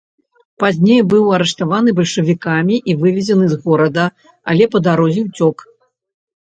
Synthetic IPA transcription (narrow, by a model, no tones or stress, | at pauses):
pazʲnʲejbɨwɐɾɛʂt̪avanɨbɐlʲʂɨvʲikamʲiʔivɨvʲɛzʲɐnɨzɣɔɾɐd̪ɐ | a̰lʲɛpɐd̪aɾɔzʲiwt͡sʲɔk